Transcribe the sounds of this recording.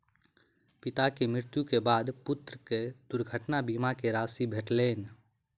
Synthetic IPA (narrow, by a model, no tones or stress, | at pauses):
pɪt̪akemɾɪɾt̪jukebaːd̪pʊt̪ɾəked̪̥ʊɾɡʱəʈnabimakeɾaːsibʱeʈleːn